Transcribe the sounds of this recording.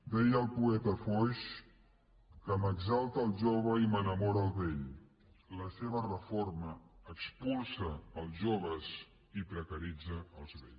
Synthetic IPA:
d̪ɛjəlˠpuɛt̪əfɔʃ | kəməɡzalˠt̪əːlˠʒoβ̞əimənəmɔɾəːlˠβeʎ | ləseβərəforməːkspulˠsəːlˠʒoβəz | ipɾəkəɾid͡zəːlˠzβeʎ

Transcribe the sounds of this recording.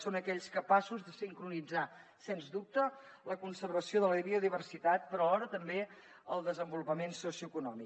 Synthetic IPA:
sonəkɛʎskəpasuzðəsiŋkɾunid͡zasenzðup̚t̪ə | ləkunsərβəsioðələβiuðiβ̞ərsit̪at̪̚pəɾɔəlɔɾət̪əmbe | əlˠd̪əzəmbulupəmensusiuəkunɔmik

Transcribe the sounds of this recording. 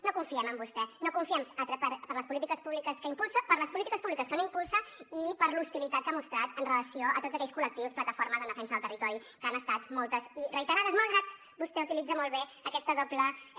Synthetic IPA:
nokuɱfiɛməmbust̪ɛnokuɱfiɛmət̪ɾɛpəɾpəɾləspulit̪ikəspuβlikəskəimpulˠsəpəɾləspulit̪ikəspuβlikəskənoimpulˠsəipəɾlust̪ilit̪at̪̚kamust̪ɾat̪ənrələsioʔət̪ot̪zəkɛʎskulək̚t̪iwsplət̪əfoɾməzənd̪əfɛnsəðlˠt̪ərit̪ɔɾikanəst̪at̪mɔlˠt̪əzirəit̪əɾaðəzmalˠɣɾat̪̚ | bust̪ɛut̪ilid͡zəmolˠβeəkɛst̪əðoplə

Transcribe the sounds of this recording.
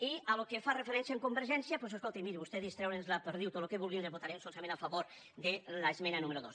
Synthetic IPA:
ialokefarefeɾɛnsjaeŋkumbeɾʒɛnsjapwɔseskolˠt̪imiɾβust̪ɛðist̪ɾɛwɾenzlapeɾðiwt̪olokeβulˠɣind̪ezβot̪aɾɛmsolˠsamẽnafaβoɾ | d̪elaezmenanumeɾuðos

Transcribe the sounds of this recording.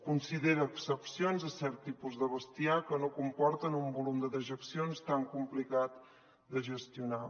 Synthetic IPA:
kunsiðeɾəːksəpsionzðəsɛɾt̪ːipuzðəβəst̪iakənokumpɔɾt̪ənumbulumd̪əðəʒəksionst̪aŋkumplikat̪ | d̪əʒəst̪iuna

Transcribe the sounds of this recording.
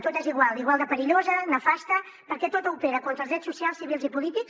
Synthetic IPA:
t̪ot̪eziɣwaliɣwalˠd̪əpəɾiʎozənəfast̪ə | pəɾkɛt̪ot̪upeɾəkont̪ɾəlzðɾɛsːusialˠsiβilˠzipulit̪iks

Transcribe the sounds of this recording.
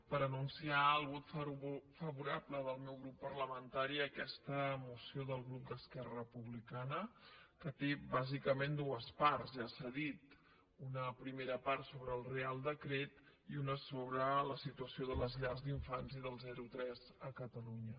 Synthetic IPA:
pəɾənunsiaəlˠβɔt̪fəβuɾapləðəlˠmɛwɣɾupːərləmənt̪aɾiəkɛst̪əmusioðəlˠɣɾup̚d̪əskɛrəəpuβlikanəkət̪eβazikəmend̪uəsparzʒasaðit̪ | unəpɾimeɾəpart̪soβɾəːlˠrealˠd̪əkɾet̪ | iunəsoβɾələsit̪uəsioðələzʎazd̪iɱfanziðəlˠzɛɾut̪ɾɛzəkət̪əluɲə

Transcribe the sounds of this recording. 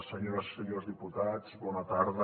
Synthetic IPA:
seɲoɾasseɲozðiput̪at͡sβɔnat̪aɾðə

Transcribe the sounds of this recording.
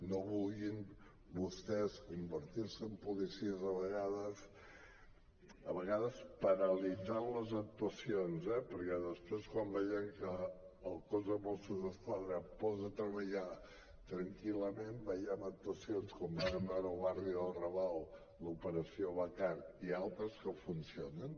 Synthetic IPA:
noβulˠɣin | bust̪ɛskumbəɾt̪iɾsəːmpulisiəzəβəɣaðəs | əβəɣaðəspəɾəlid͡zanləzək̚t̪uəsionzɛpəɾkɛðəspɾeskwambɛjəŋkəːlˠkɔzəmɔsəzəskwaðɾəpɔzət̪ɾəβəʎa | t̪ɾəŋkiləmembəjɛmək̚t̪uəsionskambaɣəmbɛwɾəlˠβariəlˠrəβalˠ | ləupəɾəsioβəkaɾialˠt̪ɾəskəfunsionən

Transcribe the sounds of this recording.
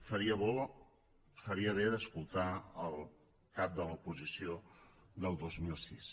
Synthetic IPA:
fəɾiəβo | fəɾiəβ̞eðəskulˠt̪aəlˠ | kap̚d̪ələupuzisiod̪əlˠd̪ozmilˠsis

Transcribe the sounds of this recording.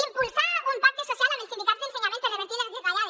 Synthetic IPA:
impulsaunpaɾkesosjalenelsind̪ikat̪zðelseɲamẽnt̪oðeβẽnt̪inad̪ekaja

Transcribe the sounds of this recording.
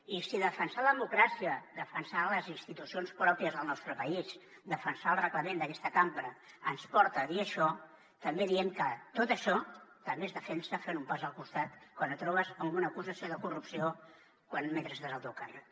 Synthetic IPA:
isiðəfənsaləðəmukɾasiəd̪əfənsaləzinst̪it̪usionspɾɔpiəzðəlˠnɔst̪ɾəpəis | d̪əfənsaːlˠrəɣləmẽnd̪əkɛst̪əkampɾə | ənspɔɾt̪əðiəʃɔ | t̪əmbeðiɛmkət̪ot̪əʃɔt̪əmbezðəfɛnsəfenumpazəlˠkust̪at̪kwanət̪ɾɔβəzəmɡunəkuzəsioðəkurupsio | kwanmɛnt̪ɾəzðəzəlˠt̪okən

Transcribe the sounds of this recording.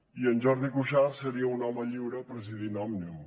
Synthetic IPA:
iənʲʒɔɾðikuʃarsəɾiəunɔməʎiwɾəpɾəziðinɔmniw

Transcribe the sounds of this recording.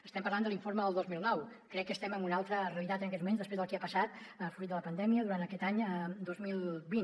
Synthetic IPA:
əst̪ɛmpəɾland̪əliɱforməðəlˠd̪ozmilˠnɔw | kɾɛkːəst̪ɛməmbunalˠt̪ɾəreəlit̪at̪ənəkɛt̪mumẽnzðəspezðəlˠkeapəsat̪əfɾut̪̚d̪ələpənd̪ɛmiəðuɾant̪əkɛt̪aɲəd̪ozmilˠβin

